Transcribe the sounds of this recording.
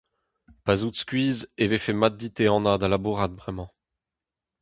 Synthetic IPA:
pazut̪skʲɥiːzevefɛmad̪̚d̪it̪eɑ̃nad̪alabuʁad̪vʁɛmɑ̃

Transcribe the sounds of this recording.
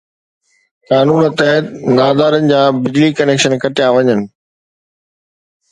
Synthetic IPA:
kaːnuːnət̪ɛɦt̪naːd̪aːɾənɪ̆d͡ʑaːbɪd͡ʑlikɐneːkʃənkɐʈɪjaʋɐɲənɪ̆

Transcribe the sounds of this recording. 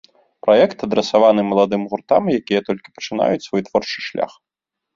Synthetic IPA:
pɾajɛkt̪ɐd̪ɾɛsavanɨmɐlˠad̪ɨmɣurt̪amjakʲijɛt̪ɔlʲkʲi̥pɐ̥t͡ʂɨn̪a̰jut͡sʲsvɔjt̪vɔrt͡ʂɨ̥ʂlʲa̰x

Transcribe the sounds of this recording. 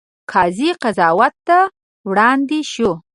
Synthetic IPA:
kʰɑziqazɑwat̪ːa | wɽɑnd̪eʃu

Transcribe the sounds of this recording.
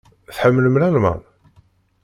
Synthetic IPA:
θħəmːələmlælmæ̰

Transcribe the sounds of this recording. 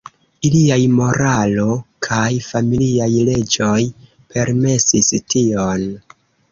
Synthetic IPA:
iliajmo̞ɾalo̞kʰajfamiliajle̞d͡ʒo̞j | pʰe̞ɾme̞sistio̞n

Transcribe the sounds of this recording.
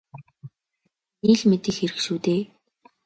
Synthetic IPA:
iɮmet̪ɘ̆xxeɾɘ̆kʃuːt̪eː

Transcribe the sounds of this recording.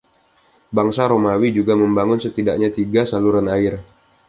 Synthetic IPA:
baŋsaɾomawid͡ʒuɡaməmbaŋʊnsət̪idaʔ̚ɲat̪iɡasaluɾanaɪr

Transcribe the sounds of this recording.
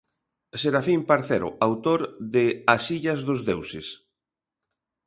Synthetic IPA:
seɾafimpaɾθeɾʊ̰ʔawt̪oɾðɪasiʎɐzðozðewsɪs

